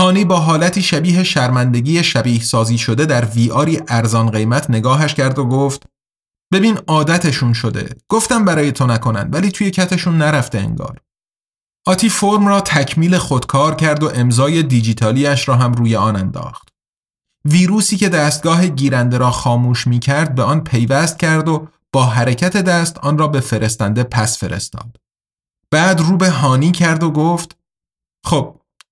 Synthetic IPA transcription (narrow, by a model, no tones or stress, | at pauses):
hɒːniːbɒːɦɒːlæt̪ʰiːʃæbiːɦe̞ʃæɾmænd̪e̞ɟiːjeʃæbiːhsɒːziːʃo̞d̪e̞d̪æɾviːʔɒːɾiːʔæɾzɒːnɢe̞jmæt̪ʰne̞ɡɒːɦæʃcʰæɾd̪oɡoft̪ | b̥e̞biːnɒːd̪æt̪ʰe̞ʃunʃo̞d̪e̞̰ɡ̥oft̪æmbæɾɒːje̞t̪ʰonækʰo̞næ̰nd̪væliːt̪ʰuːje̞cʰæt̪ʰeʃunːæɾæft̪e̞ḛŋɡɒ̰ːɾ | ʔɒːt̪ʰiːfoɾmrɒːt̪ʰæcʰmiːle̞xo̞d̪kʰɒːɾcʰæɾd̪o̞ʔe̞mzɒːje̞d̪id͡ʒiːt̪ʰɒːliːjæʃɾɒːɦæmruːjeɒːnænd̪ɒ̰ːxt̪ | viːɾuːsiːce̞d̪æːst̪̚ɡɒːɦe̞ɟiːɾænd̪e̞ɾɒːxɒːmuːʃmiːcʰæɾd̪̚be̞ɒːnpʰe̞jvæst̪̚cʰæɾd̪o̞ | b̥ɒːɦæɾecʰæt̪ʰe̞d̪æːst̪ɒːnrɒːbe̞fe̞ɾe̞st̪ænd̪e̞pʰæsfe̞ɾe̞̰st̪ɒ̰ːd̪̥ | b̥æːd̪ruːbe̞ɦɒːniːcʰæɾd̪o̞ɡoːft̪ | xoːb̥̚